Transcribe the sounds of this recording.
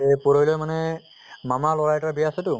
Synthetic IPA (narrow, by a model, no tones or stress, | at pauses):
puɹojlɔjmanɛ | mamalɔɹajtaɹbijasɛtʊ